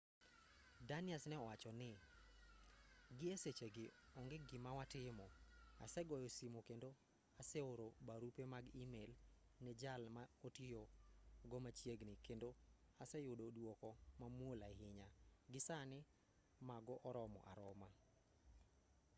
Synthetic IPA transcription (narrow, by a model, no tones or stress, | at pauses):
danɪasnɛɔwat͡ʃɔnɪ | ɡɪeset͡ʃeɡɪɔŋɡɪɡɪmawatɪmɔa̰sɛɡɔjosimokendo | asɛoɾobaɾupemaɡimelnɛd͡ʒalmaotijoɡɔmat͡ʃjeɡnɪkendo | asɛjʊdodwɔkɔmamwolaɦɪɲaɡɪsanɪ | maɡɔʔɔɾɔmɔ̰ʔa̰ɾɔma